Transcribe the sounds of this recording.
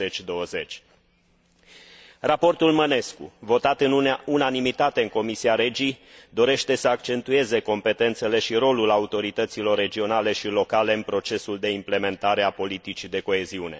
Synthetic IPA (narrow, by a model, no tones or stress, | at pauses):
et͡ʃʲd̪o̞wəze̞t͡ʃʲ | rapo̞rt̪ulməne̞skṵvo̞t̪at̪ɨnunanimit̪at̪e̞ɨŋko̞misiaɾe̞d͡ʒid̪o̞ɾe̞ʃt̪e̞səak̚t͡ʃe̞nt̪ue̞ze̞ko̞mpe̞t̪e̞nt̪se̞le̞ʃiɾo̞lulaut̪o̞ɾit̪ət̪silo̞rːe̞d͡ʒio̞nale̞ʃilo̞kale̞ɨnpɾo̞t͡ʃe̞suld̪e̞imple̞me̞nt̪aɾeapo̞lit̪it͡ʃid̪e̞ko̞e̞ziune̞̰